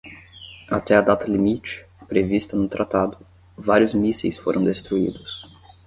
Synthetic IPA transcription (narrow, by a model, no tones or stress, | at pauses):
at̪ɛɐd̪at̪ɐlimit͡ʃɪ̥pɾevist̪ɐnʊt̪ɾʔat̪ad̪ʊ | vaɾijʊzmisejsfoɾʔɐ̃w̃d̪est̪ɾuḭd̪ʊs